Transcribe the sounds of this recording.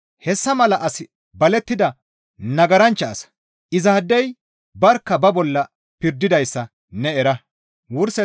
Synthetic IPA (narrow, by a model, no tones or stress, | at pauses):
hɛsːɐmɐlɐʔɐsɪ | bɐlɛt̪ːɪd̪ɐ | nɐɡɐɾɐnt͡ʃːɐːsɐ̥ | ʔɪzaːd̪ːɛj | bɐɾkːɐbɐbɔlːɐ | pɪɾd̪ːɪd̪ɐjsːɐ | nɛɛɾɐ | wʊɾsɛ